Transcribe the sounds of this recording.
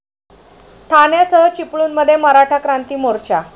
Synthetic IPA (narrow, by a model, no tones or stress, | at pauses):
ʈ̪ʰanjasəɦət͡ɕipɭuːnməd̪ʱːjeməɾaʈʰakɾant̪iːmoɾt͡ɕa